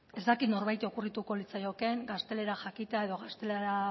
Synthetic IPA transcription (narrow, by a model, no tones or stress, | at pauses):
e̞zd̪akit̪no̞ɾβajt̪o̞kurit̪uko̞lit͡sajo̞ke̞ŋɡast̪e̞le̞ɾaxakit̪eae̞ðo̞ɣast̪e̞leɾa